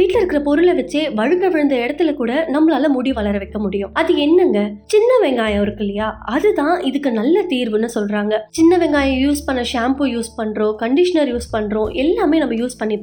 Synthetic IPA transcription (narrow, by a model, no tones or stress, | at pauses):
ʋiːʈlɐɪɾɯkːɪɾɐpɔɾɯlɐʋɐt͡ʃːeːʋɐɻɯkɡɐʋɪɻɯnd̪ɐɪɽɐt̪ːɪlɐkuːɽɐnɐmːɐɭaːlɐmʊɽiʋɐlɐɾɐʋɐɪkːɐmʊɽɪjʊ̃ɐðɯɛnːɐŋɡɐt͡ʃɪnːɐʋɛŋɡaːjɐɔɾɯkːɪlːɐjaːɐðɯt̪ãːʔɪðɯkːɯnɐlːɐt̪iːɾʋɯnːɯsɔlɾaːŋɡɐt͡ʃɪnːɐʋɛŋɡaːjɐ̃juːspɐɳːɐʂaːmpɯjuːspɐɳːɾõːkɐɳɖɪʂɐnɐɾjuːspɐɳːɾõːʔɛlːaːmeːnɐmːɐjuːspɐɳːipː